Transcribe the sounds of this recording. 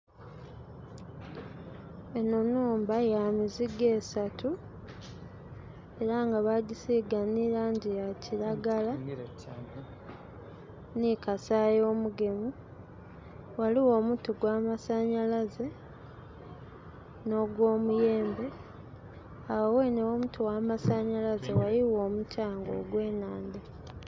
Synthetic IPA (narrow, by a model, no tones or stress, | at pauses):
enonuːmbajaːmiziɡe̞ːsatu | e̞ɾaŋɡaβaɟisiɡaniɾaɲɟijaciɾaɡala | nikasajo̞ːmuɡe̞mu | waliwo̞ːmutuɡwaːmasaɲalaze̞ | no̞ɡwo̞ːmuje̞ːmbe̞ | awawe̞newomutuwaːmasaɲalazewajiwo̞ːmutʰaːŋɡo̞̰ːɡwe̞ːnaːnde